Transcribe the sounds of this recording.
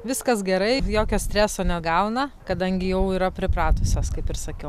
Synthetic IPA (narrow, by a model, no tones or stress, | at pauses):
ʋʲɪskɐsɡʲɛɾɐɪjoːkʲoːsʲt̪ʲɾʲæːsoːnʲɛɡɐʊnɐkɐd̪ɐŋʲɡʲɪjɛʊiːɾɐpʲɾʲɪpɾɑːt̪ʊsʲoːskɐɪpɪrsɐkʲɛʊ